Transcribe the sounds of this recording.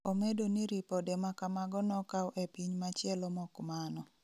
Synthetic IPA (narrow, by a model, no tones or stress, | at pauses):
omedoniɾipɔdɛmakamaɡɔnɔkawʔepiɲmat͡ʃjɛlɔmɔkmanɔ